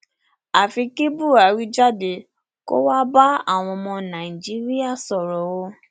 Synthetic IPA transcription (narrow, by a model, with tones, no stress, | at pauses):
a˨fi˧ki˦bu˦˨a˨˦ɾi˦d͡ʒa˦˨de˧˨ | ko̰˦wa˦ba˦a̰˦˨w̃ɔ̃˧mɔ̃˧nã˨i˨d͡ʒi˦ɾi˦a˦˨sɔ˨ɾɔ˨wo˦